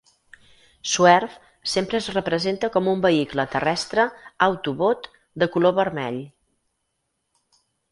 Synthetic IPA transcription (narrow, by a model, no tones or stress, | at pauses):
suɛrf | sempɾəːzrəpɾəzent̪əkɔmumbəiklət̪ərɛst̪ɾəəwt̪uβot̪ | d̪əkuloβəɾmɛ̰ʎ